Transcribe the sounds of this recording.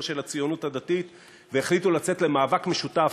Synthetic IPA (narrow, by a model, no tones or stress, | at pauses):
ʃe̞lat͡sijo̞nuthad̪atit̪ | veeχlitulat͡se̞t̪le̞maːvakme̞ʃuta